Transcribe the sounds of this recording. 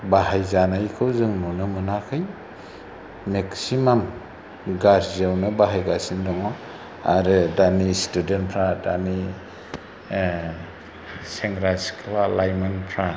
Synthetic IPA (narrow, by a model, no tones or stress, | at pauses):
baɦajzanajkʰɯwzɯŋnunɯmɯnakʰɯj | meksimam | ɡaɾzawnɯbaɦajɡasindɔŋɔ | aɾɯdanistudentpʰɾadani | seŋɾasi̥kʰlalajmanpʰɾa